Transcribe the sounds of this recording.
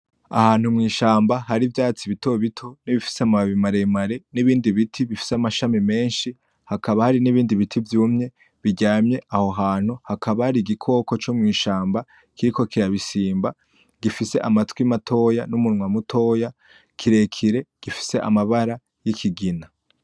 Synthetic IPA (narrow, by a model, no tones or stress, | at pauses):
a̰haːn̥umŋiːʃaːmbaɦaɾivjaːt͡siβito̞βitʰoniβifi̥seamaβimaɾeimaɾe̞niβiːndiβitʰiβifi̥seamaʃamime̞ːnʃi | hakʰaβahaɾiniβiːndiβitʰivjuːmɲe̞ | βiɟaːmɲe̞ʔaho̞ɦaːn̥huhakʰaβahaɾiɡikʰo̞ːko̞t͡ʃomŋiːʃaːmba | kʰiɾiko̞kiɾaβisiːmba | ɡ̥ifise̞ʔamatwimatʰo̞janumunŋwamutʰo̞ːja | kʰiɾe̞kʰiɾe̞ɡ̥ifi̥se̞ʔa̰maβaɾa | jikʰiɡina